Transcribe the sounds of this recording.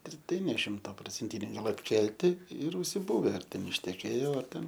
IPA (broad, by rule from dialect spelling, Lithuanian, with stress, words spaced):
ɪr ˈtɐɪ nʲɛ ˈʃʲɪmtɐ proːt͡sʲɛnʲˈtʲɪnʲɛɪ ˈɡɐlˠ ɐtʲˈkʲɛlʲtʲɪ ɪr ʊʃʲsʲɪˈbʊʋʲɛ ɐr ˈtʲɛn ɪʃʲtʲɛˈkʲeːjoː ɐr ˈtʲɛn